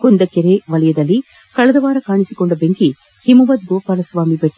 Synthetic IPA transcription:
kond̪ɐkeɾeʋɐlɐjɐd̪ɐlːi | kɐɭɐd̪ɐʋaːɾɐkaːɳisikoɳɖɐbeŋki | himuʋɐt̪̚ɡoːpaːlɐsʋaːmibeʈː

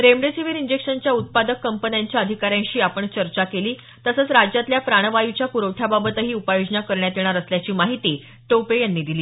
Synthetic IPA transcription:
ɾemɖesiʋiɾiɲd͡ʑekʂənt͡ɕjaut̪̚pad̪əkːəmpənjaɲt͡ɕjaəd̪ʱikaɾjãɲɕiːapəɳt͡ɕəɾt͡ɕakeliː | t̪əsət͡sɾad͡ʑjat̪ljapɾaɽ̃əʋajut͡ɕjapuɾəwʈʰjababət̪əɦiːupajod͡ʑnakəɾɳjat̪eɽ̃aɾəsljat͡ɕiːmaɦit̪iː | ʈopejanːiːd̪iliː

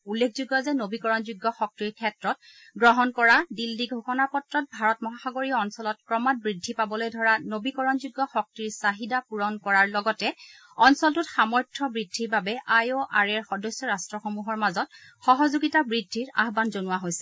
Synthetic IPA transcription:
ulːekʰzuɡjɔzɛnobikɔɹɔnzuɡːɔxɔk̚tiɹkʰɛtɹɔt̚ | ɡɹɔɦɔnkɔɹadilːiɡʱoxɔnapɔtɹɔt̚bʱaɹɔtmɔɦaxaɡoɹiɔnsɔlɔtkɹɔmat̚bɹidʱːipabɔlojdʱɔɹanobikɔɹɔnzuɡːɔxɔk̚tiɹsaɦidapuɹɔnkɔɹaɹlɔɡɔtɛ | ɔnsɔltʊtxamɔɹtʰːɔbɹidʱːiɹbabɛʔajoʔaɹɛɹxɔdɔjsːɔɹastɹɔxɔmuɦɔɹmazɔt̚ | xɔɦɔzuɡitabɹidʱːiɹa̰ɦbanzonuwaɦojsɛ

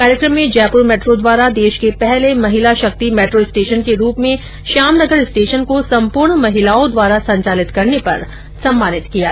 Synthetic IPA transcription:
kaːɾjəkɾəmːẽd͡ʒɛːpɾomɛːʈɾod̪ʋaːɾad̪eːʃkepɛɦlemɐɦɪlaʃɐk̚t̪imeːʈɾoɪsʈeːʃənkeɾuːpmẽ | ʃaːmnɐɡəɾɪsʈeːʃənkosɐ̃mpʊɾɳmɐɦɪlaːõd̪waːɾasɐ̃ɲt͡ʃaːlɪt̪kɐɾnepɐ̰ɾ | sɐ̃mːaːnɪt̪kija̰ː

